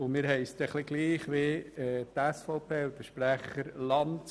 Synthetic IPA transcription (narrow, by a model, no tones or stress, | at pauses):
ʊmɪːɾɦɛɪsd̪ɛχlɪɡliːχʋeɛt̪æsfɔʊpʰeːʊd̪əʃpɾæχəɾlɑnt